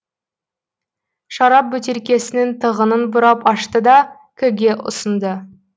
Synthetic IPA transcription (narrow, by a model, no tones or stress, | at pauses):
ʃɑɾɑp̚bɵt̪e̞ɾkʲe̞sɪnɪnt̪ʰəʁənənbʊɾɑpɑʃt̪əd̪ɑ | kʲʰɵɡʲe̞ʔʊ̰sənd̪ə